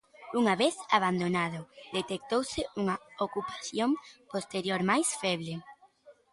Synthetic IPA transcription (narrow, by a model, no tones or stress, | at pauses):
uŋaβeθaβ̞and̪onaðʊðet̪ek̚t̪owsɪuŋɐokupḁθjompost̪eɾjoɾmajsfɛβle